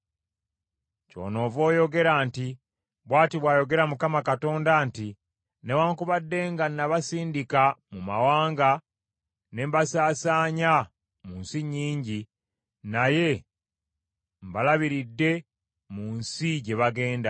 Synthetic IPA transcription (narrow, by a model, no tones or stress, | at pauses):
co̞̰ːno̞ːvo̞ːjo̞ɡe̞ɾaːnti | βwaːtiβwaːjo̞ɡe̞ɾamukamakato̞ːndanti | newaːŋkuβadːe̞ːŋɡanːaβasiːndikamumawaːŋɡa | ne̞mbasaːsaːɲa | muːnsiɲiːɲɟi | naje̞ | mbalaβiɾidːe̞ | muːnsiɟe̞βaɡe̞ːnda